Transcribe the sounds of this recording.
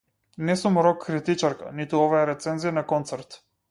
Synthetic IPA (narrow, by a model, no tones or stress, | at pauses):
nɛsumɾɔkʰːɾit̪it͡ʃaɾka̰nit̪uɔvajaɾɛt̪sɛnzijanakɔnt̪sɛɾt̪